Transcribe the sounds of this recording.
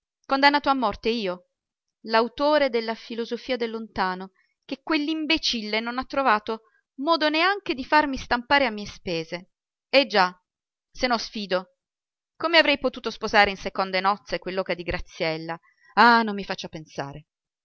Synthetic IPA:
kond̪anːaːt̪oamːɔrt̪eiːo | lawt̪oːɾed̪elːafilozofiːad̪elːont̪aːno | kekːwelːimbet͡ʃilːenonat̪ːɾovaːt̪o | mɔːd̪oneaŋked̪ifarmist̪ampaːɾeamːiːespeːze | ed͡ʒa | senɔsfiːd̪o | komeavɾɛjpot̪uːt̪ospozaːɾeinsekond̪enɔt̪sekwelːɔkad̪iɡɾʔat̪sːjɛlːa | anomːifat͡ʃːapensa̰ːɾe

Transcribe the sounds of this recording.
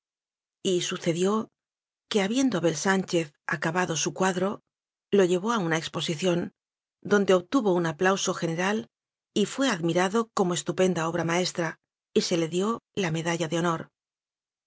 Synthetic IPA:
isuθe̞ðjo̞ | ke̞aβje̞nd̪o̞aβe̞lsant͡ʃe̞θ | a̰kaβaðo̞sukwaðɾo̞ | lo̞ʎe̞βo̞aunaekspo̞siθjo̞n | d̪o̞nd̪e̞oβt̪uβo̞unaplawso̞xe̞ne̞ɾal | ifwe̞aðmiɾaðo̞ko̞moe̞st̪upe̞nd̪ao̞β̞ɾamae̞st̪ɾa | ise̞le̞ðjo̞lame̞ðaʎaðeo̞no̞ɾ

